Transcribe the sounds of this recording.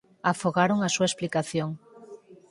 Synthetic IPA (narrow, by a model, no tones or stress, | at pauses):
afoɣaɾoŋasuaesplikaθjoŋ